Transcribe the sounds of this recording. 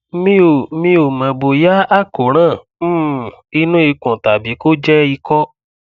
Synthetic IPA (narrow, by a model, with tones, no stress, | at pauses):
mĩ˦o˨˦mĩ˧o˨mɛ̃˨bo˨ja˦a˦˨ko˨ɾ̃ã˦˨ | m̩˦˨i˧nũ˦i˧kɔ̃˨ta˨bi˨˦ko˦d͡ʒɛ˦i˧kɔ˦